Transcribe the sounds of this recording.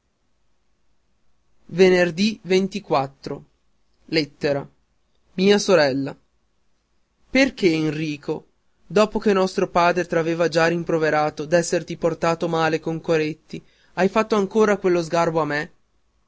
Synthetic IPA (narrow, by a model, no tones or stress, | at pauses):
venerd̪ivent̪ikwat̪ːɾo | let̪ːeɾa | miːasoɾɛlːa | perkeːnriːkʰo | d̪ɔːpok̟enːɔst̪ɾopaːd̪ɾet̪ɾaveːvad͡ʒaɾimpɾoveɾaːt̪od̪ɛsːert̪iport̪aːt̪omaːlekoŋkoɾet̪ːi | ajfat̪ːoaŋkoːɾakwelːozɡarboamːe